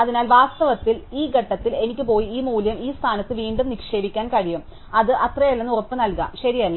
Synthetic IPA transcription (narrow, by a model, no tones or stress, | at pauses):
ɐðinaːlʋaːst̪ɐʋɐt̪ːiliːɡʱɐʈːɐt̪ːile̞nikʲːɨpo̞ːjiiːmuːljɐmiːst̪ʰaːnɐt̪ːɨʋiːɳɖumnikʂe̞ːʋikʲːaːnkɐɻijum | ɐðɨʔɐt̪rɐjelːenːurɐpːɨnɐlkɐ̰mɕɐɾijɐlːɐ